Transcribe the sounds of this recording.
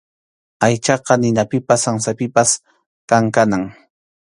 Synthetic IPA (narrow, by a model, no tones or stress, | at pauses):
ajt͡ʃɑqɑnɪnapɪpasaŋsapɪpas | kaŋkanaŋ